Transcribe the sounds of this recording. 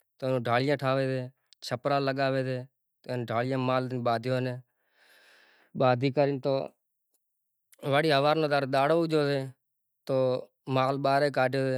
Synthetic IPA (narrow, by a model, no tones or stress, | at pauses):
t̪oːnũːɖʱaːlɪjãːʈʰaːʋeːt̪eː | t͡ʃʰəpɾãːləɠaːʋeːt̪eː | t̪ːnɖʱaːlɪjãːmaːlɓaːd̪ʱjoːneː | ɓaːd̪ʱiːkəɾiːnt̪o̰ː | ʋaːɽiːɦəʋaːɾnõːd̪aːɾɗ̪aːɽoːd͡ʒoːseː | t̪oː | maːlɓaːɾeːk̬aːʈjoːseː